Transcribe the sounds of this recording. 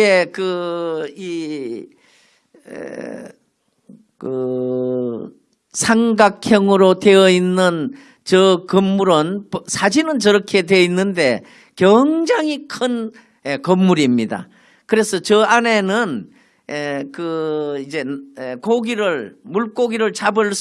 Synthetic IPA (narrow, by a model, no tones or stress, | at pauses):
ekɯ | i | kɯ | sʰaŋɡakʰjʌŋɯɾote̞ʌinːɯn | t͡ɕʌkɯmːuɾɯnpsʰad͡ʑinɯnt͡ɕʌɾʌkʰe̞dweinːɯnde̞ | kjʌŋd͡ʑaŋikʰɯn | ekʌmːuɾimɲida̰ | kɯɾe̞sʰʌt͡ɕʌane̞nɯn | ekɯid͡ʑe̞ekoɡiɾɯɭmuɭk͈oɡiɾɯɭt͡ɕabɯɭs